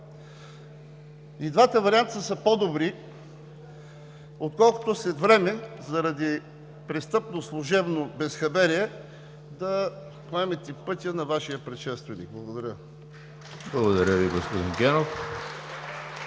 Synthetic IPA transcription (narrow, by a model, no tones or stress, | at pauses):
id̪vat̪əvɐɾiant̪əsəpod̪obɾi | ot̪kɔlˠko̥t̪ʊslɛt̪vɾɛmɛzɐɾɐd̪i | pɾɛst̪ɤpnoslˠʊʒɛbnobɛsxɐbɛɾiɛ | d̪ɐ | poɛmɛt̪ɛpɤt̪ʲənɐvaʃijəpɾɛt̪ʃɛst̪vɛnḭk̚blˠɐɡod̪ɐɾʲə | blˠɐɡod̪ɐɾʲəviɡospod̪inɡʲɛnof